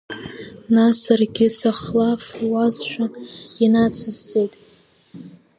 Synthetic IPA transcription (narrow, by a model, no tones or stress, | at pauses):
nasarɡʲɪsaχlafwazʃʷᶣajanat͡sʰɨzt͡sʼejtʼ